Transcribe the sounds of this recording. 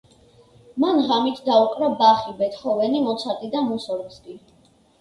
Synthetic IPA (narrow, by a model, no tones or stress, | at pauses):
manʁamit̪ʰd̪auqʼɾabaχibɛt̪ʰχɔvɛnimɔt̪sʰaɾt̪ʼid̪amusɔɾkskʼi